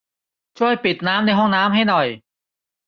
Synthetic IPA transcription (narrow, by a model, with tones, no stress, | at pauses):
t͡ɕʰu˥˩əjpi˨˩t̪̚naː˦˥mna˧jɦɔ˥˩ŋnaː˦˥mɦa˥˩jnɔ˨˩j